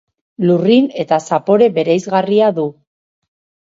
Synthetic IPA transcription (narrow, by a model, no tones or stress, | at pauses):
lurine̞t̪asapo̞ɾe̞βe̞ɾejzɣariaðu